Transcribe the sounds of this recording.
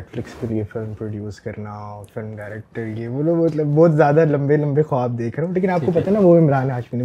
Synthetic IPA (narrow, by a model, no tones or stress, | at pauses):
ɛʈflɪkskeliefɪlmpɾoːɖjuːskɐɾnafɪlmɖaɪɾeːk̚ʈəɾlieʋoːloːɡbɔːt̪lɐbɔːt̪zjaːd̪alɐ̃mbelɐ̃mbexwaːb̚d̪eːkʰɾeɦõleːkɪnaːpkopɐt̪aɦenaʋoɪmɾaːnɦaːʃmiːni